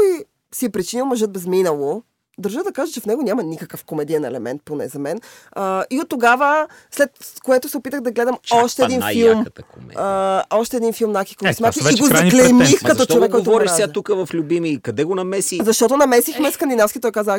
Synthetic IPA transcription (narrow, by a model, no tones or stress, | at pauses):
i | siɛpɾit͡ʃinilˠmɐʒɤt̪̚bɛzminəlˠo | d̪ɐɾʒəd̪ɐkaʒət͡ʃɛfnɛɡonʲamɐnʲikəkəfkomɛd̪iɛnɛ̰lɛmɛ̰nt̪̚ponɛ̰zɐmɛnəiot̪ːoɡavə | slɛt̪koɛt̪ʊsɛopit̪əɣd̪ɐɡlɛd̪əmɔʃt̪ɛːd̪infilˠmt̪mɛ̰əɔʃt̪ɛd̪infilˠmnakʲi̥kəsmʲat̪iiɡozɐklɛmixkɐt̪ɔt͡ʃ̪ovɛkkːɔt̪ovɔɾiʃsat̪ukəvɐflʲubimikɐd̪ɛɡonɐmɛsizɐʃt̪ɔt̪onɐmɛsixmɛskɐnd̪inafskʲit̪ɔjkaz